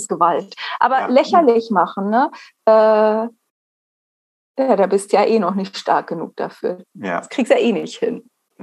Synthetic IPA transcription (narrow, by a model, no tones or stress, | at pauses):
sɡ̥əvaltʔa̰ːbɐlɛçɐlɪçmaχn̩nəʔɛː | jaːdaːbɪstujaːʔeːnɔχnɪçttʃta̰ɐk̚ɡ̥ənṵːk̚d̥a̰fy̰ːɐaskʁ̥iːkstujaːʔeːnɪçthɪn